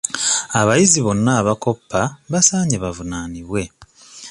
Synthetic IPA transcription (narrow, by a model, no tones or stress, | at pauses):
aβajiziβo̞nːaːβako̞pːaβasaːɲeβavunaːniβwe̞